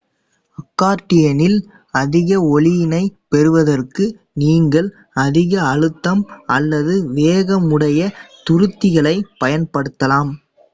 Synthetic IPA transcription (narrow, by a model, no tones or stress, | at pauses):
ɐkːaːɾʈːɪjɐnɪl | ɐðɪɣɐɔɭɪjɪnɐɪpɛɾɯʋɐðɐrkɯ | niːŋɡɐɭ | ɐðɪɣɐːɻɯt̪ːɐmɐlːɐðɯʋeːɣɐmɯɽɐjɐt̪ʊɾɯt̪ːɪɣɐɭɐɪpɐjɐnpɐɽɯt̪ːɐlaːm